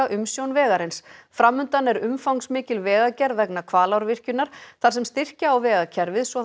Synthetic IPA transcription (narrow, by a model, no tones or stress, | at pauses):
aʔʏmsjownvɛːɣaɾɪnsfɾamːʏnt̪anɛɾʏmfawnsmɪːcɪlvɛːɣacɛɾvɛknakʰvaːlawɾvɪr̥cʏnaɾ̥θḁsɛmst̪ɪr̥caawvɛːɣacʰɛɾvɪðsɔ